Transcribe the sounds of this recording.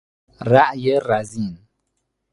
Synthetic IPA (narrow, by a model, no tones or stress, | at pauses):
ɾaʔjəɾazin